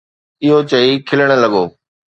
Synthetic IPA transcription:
ɪɦot͡ɕɐikʰɪləɽ̃ə̆lɐɠoː

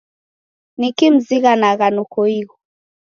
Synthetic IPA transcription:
nikim̩ziɣanaɣanɔkɔiɣɔ

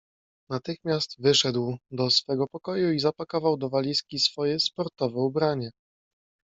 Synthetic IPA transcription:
nat̪ɘxmʲjast̪vɘʂɛd̪wd̪ɔsfɛɡɔpɔkɔjuizapakɔvawd̪ɔvalʲiskʲisfɔjɛspɔɾt̪ɔvɛubɾaɲɛ

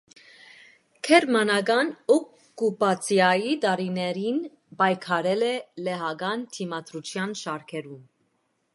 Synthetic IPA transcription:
kʰɛɾmɑnɑɡɑnɔkː | upɑt͡sʰjɑjid̪ɑɾinɛɾin | bɑjkʰɑɾɛlɛlɛɦɑɡɑnt̪ʰimɑt̪ɾut͡ʃʰjɑnʃɑɾkʰɛɾum

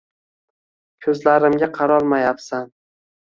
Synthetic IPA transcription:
kʲʰɵzlaɾɪmɡʲaqʰɑɾɒɾmajapsan

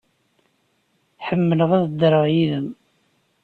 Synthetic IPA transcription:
ħəmːələʁæðd̪əɾˤɑʁjiðəm

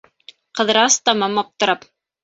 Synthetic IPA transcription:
qɤ̆ðɾɑst̪ɑmɑmɑp̚t̪ŏɾɑp

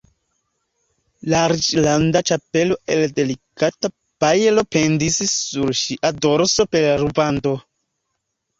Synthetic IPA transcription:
laɾit͡ʃlandat͡ʃape̞lo̞e̞lde̞likata | pajelo̞pendisisuɾʃiʔadoɾso̞pe̞ɾlaɾubanto̞

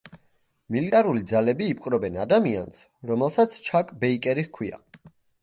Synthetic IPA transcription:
milit̪ʼaɾulid̪zalɛbiːpʼqʼɾɔbɛnad̪amia̰ns | ɾɔmɛlˠsat̪sʰt͡ʃʰakʼbɛikʼɛɾiχkʰwia̰

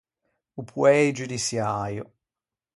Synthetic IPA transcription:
upʰwɛjd͡ʒud̪isjaːjo̰

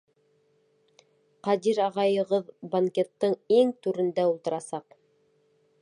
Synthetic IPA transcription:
qɑd̪iɾɑʁɑjɤ̆ʁɤðbɐŋkʲet̪ːɤɴiŋt̪ʉɾɘ̆nd̪æulˠt̪ɤ̆ɾɑsɑq

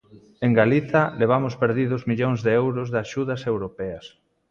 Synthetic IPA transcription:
eŋɡaliθɐleβ̞amʊspeɾðiðʊzmiʎoŋzðeɛwɾʊzðaʃuðasewɾopɛas

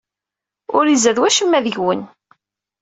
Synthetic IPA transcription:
ʊɾizæðwæʃəmːæðəʝwən

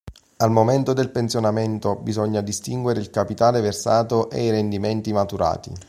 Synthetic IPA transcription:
almoment̪od̪elpentsjonament̪obizɔɲːad̪ist̪iŋɡweɾeilkapit̪aːleversaːt̪oʔḛiɾend̪iment̪imat̪uɾa̰ːt̪ḭ

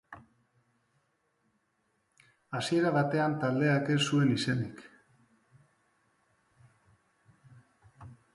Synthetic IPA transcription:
asie̞ɾaβat̪e̞ant̪ald̪e̞ake̞sue̞nise̞nik

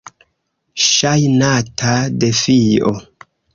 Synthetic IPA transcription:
ʃajnatʰade̞fiʔo

